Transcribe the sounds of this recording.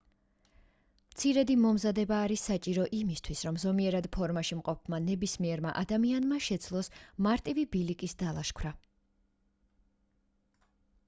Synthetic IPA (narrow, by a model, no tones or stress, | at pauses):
mt̪sʰiɾɛd̪imɔmzad̪ɛbaːɾisːat͡ʃʼiɾɔʔimist̪ʰwisɾɔmzɔmiɛɾad̪pʰɔɾmaʃimqʼɔp̚ʰmanɛbismiɛɾma̰ʔad̪amianmaʃɛd̪szʰlˠɔsmaɾt̪ʼivibilikʼisd̪alˠaʃkʰwɾa